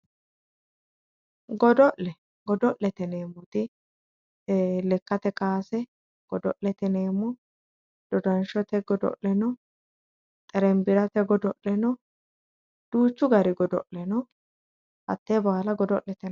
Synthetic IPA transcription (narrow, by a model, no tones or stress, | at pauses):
ɡɔd̪ɔʔlɛ | ɡɔd̪ɔʔlɛt̪ɛneːmːʊt̪ɪ | lɛkːɐt̪ɛkʼaːsɛ | ɡ̥ɔd̪ɔ̰ʔlɛt̪ɛneːmːɔ | d̪̥ɔd̪ɐnʃɔt̪ɛɡɔd̪ɔ̰ʔlɛnɔ | t̪ʼɛɾɛmbɪɾɐt̪ɛɡɔd̪ɔʔɛnɔ | d̪̥uːt͡ʃːʊɡɐɾɪɡɔd̪ɔ̰ʔlɛnɔ | hɐ̰t̪ːɛbaːlɐɡɔd̪ɔʔlɛt̪ɛ